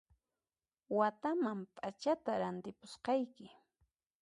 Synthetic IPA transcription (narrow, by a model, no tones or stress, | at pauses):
wat̪amampʼat͡ʃat̪aɾant̪ɪpʊsqɑjkɪ